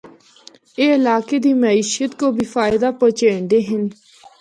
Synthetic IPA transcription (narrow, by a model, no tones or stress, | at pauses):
eːɪlaːkeːd̪iːməiːʃət̪koːbʱiːfaːɪd̪aːpət͡ʃeːɳd̪eːɦɪn